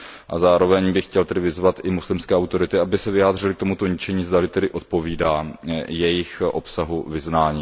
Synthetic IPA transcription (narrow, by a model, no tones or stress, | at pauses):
ʔa̰zaːɾo̞vɛɲbɪxcɛlt̪ɛdɪvɪzvat̪ʔɪmuslɪmskɛːʔawt̪o̞ɾɪt̪ɪʔabɪsɛvɪjaːd̪r̝ɪlɪk̚t̪omut̪o̞ɲɪt͡ʃɛɲiːzd̪alɪt̪ɛdɪʔo̞t̪̚po̞viːdaːjɛjɪxʔo̞psaɦuvɪznaːɲiː